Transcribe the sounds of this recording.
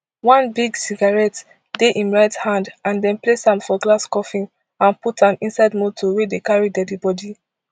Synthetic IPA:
wɔ̃nbiɡsiɡaɹɛt | deʔĩnɹaɪthãndãndɛ̃nplesãmfɔɡlaskɔfĩn | ãnputʰãnĩnsaɪdmotʰowedekaɹidɛdibɔdi

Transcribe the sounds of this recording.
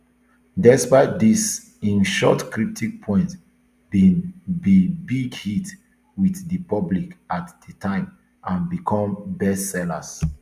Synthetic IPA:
dɛspaɪt̚dis | ĩnʃɔ̰tkɹip̚tʰik̚pʰɔ̃ɪ̃nt | bĩnbibiɡhit | wiθdəpɔblikatdətʰãɪ̃m | ãnbikʰɔ̃mbɛsɛla̰s

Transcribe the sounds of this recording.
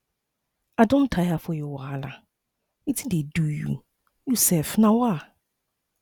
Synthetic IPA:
adõntʰajafɔjɔwɔala | itʰĩdedujṵ | jusɛfnãwa

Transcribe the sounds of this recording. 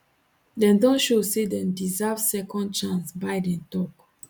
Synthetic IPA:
dɛ̃ndɔ̃ʃosedɛ̃ndizavsɛkɔ̃nd̚t͡ʃãnsbajdɛ̃ntɔk

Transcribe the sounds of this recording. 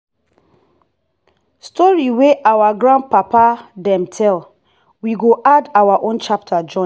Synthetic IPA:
stʰɔɹiweʔawaɡɹãnd̚papadɛ̃mtʰɛl | wiɡoʔadawaʔõnt͡ʃap̚tʰad͡ʒɔ̃

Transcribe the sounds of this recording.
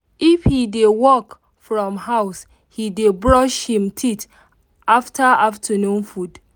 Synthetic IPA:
ifhidewɔk | fɹɔ̃mɦaʊs | hidebɹɔʃhĩmtʰit | ʔaftʰaaftʰanũnfud

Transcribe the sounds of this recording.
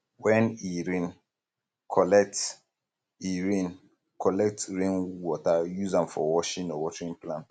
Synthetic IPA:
wɛ̃niɹĩn | kʰɔlɛk̚t | iɹĩn | kʰɔlɛk̚tɹẽnwɔtajuzãmfɔwɔʃĩnɔwɔtɹĩnplãnt

